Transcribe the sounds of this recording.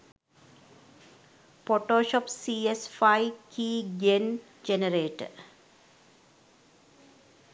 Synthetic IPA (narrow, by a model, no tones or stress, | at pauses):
poːʈoːʃɔpsiːesfajkiːɡen | d͡ʒenəɾeːʈə̰